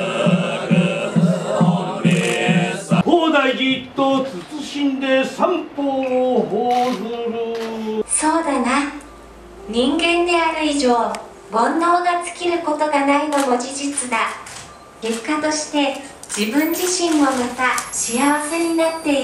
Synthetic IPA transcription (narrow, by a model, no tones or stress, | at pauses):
koːd̪aiɡʲit̪ːot͡sɨt͡sɨɕĩnd̪e̞sãmpohoː | so̞ːd̪ana | ɲ̟ĩŋɡẽ̞nd̪e̞aɾɯ̟iʑo̞ː | bõ̞nːo̞ːɡat͡sɨ̥kʲiɾɯ̟ko̞t̪o̞ɡanaɾʲimomo̞d͡ʑid͡ʑit͡sɨd̪a | ke̞kːat̪o̞ɕi̥t̪e̞ | d͡ʑ̥ibɯ̟̃ɲ̟d͡ʑiɕĩmːo̞mat̪aɕiaβase̞ɲ̟inat̪ːe̞